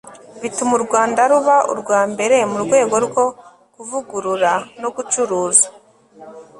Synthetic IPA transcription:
βitumuɾɡwaːndaɾuβaʔṵɾɡwaːmbe̞ɾe̞muɾɡwe̞ːɡo̞ɾɡo̞ | kuvuɡuɾuɾano̞ɡut͡ʃuɾuːzḁ

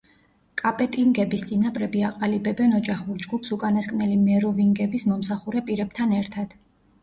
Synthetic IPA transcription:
kʼapʼɛt̪ʼiŋɡɛbist̪sʼinapʼɾɛbiaqʼalibɛbɛnɔd͡ʒaχuɾd͡ʒɡupʰsukʼanaskʼnɛlimɛɾɔviŋɡɛbismɔmsaχuɾɛpʼiɾɛbt̪ʰanɛɾt̪ʰad̪̥

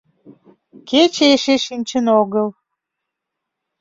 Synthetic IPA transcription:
ket͡ɕeeʃeʃinʲt͡ɕənoɣəl

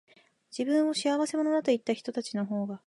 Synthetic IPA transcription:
d͡ʑibɯ̟̃ɰ̃o̞ɕiaβase̞mo̞no̞d̪at̪o̞it̪ːaçʲi̥t̪o̞t̪at͡ɕino̞ɦo̞ːɡa

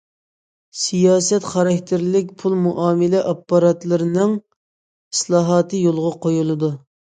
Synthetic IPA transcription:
sijɑːsɛt̪χɑɾɑkʲt̪ʰɪɾlɪk̚ʲpʰulˠmuʔɑːmɪlɛʔɑpːɑɾɑt̪lˠɨɾɨnɨŋ | islˠɑːɦɑːt̪ʰɨjolˠʁɑqʰojulˠɨd̪u

